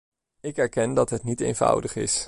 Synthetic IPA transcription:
ɪkɦɛɹkɛndɑtɦətnitḛjnv̥ʌ̰wdəχɪ̰s

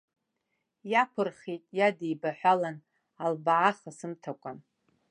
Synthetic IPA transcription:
japʷʰɨrχijtʼjadijbaħʷᶣalan | albaʕaχasɨmtʰakʷʼan

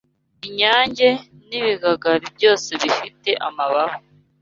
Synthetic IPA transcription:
iɲaːɲɟe̞ | niβiɡaɡaɾib̚ɟo̞ːse̞βifite̞ʔamaβaho

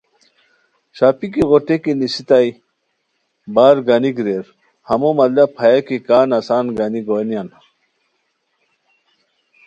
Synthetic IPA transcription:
ɕaːpikiɣoʈekinisit̪aj | baːɾɡaniɡɾeɾ | hɐmomɐlapʰɐjakikaːnɐsaːnɡaniɡoːnjan

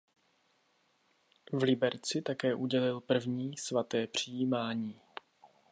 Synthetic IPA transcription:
vlɪbɛɾt͡sɪt̪akɛːʔuɟɛlɪlpr̩vɲiːsvat̪ɛːpr̝̥ijiːmaːɲiː

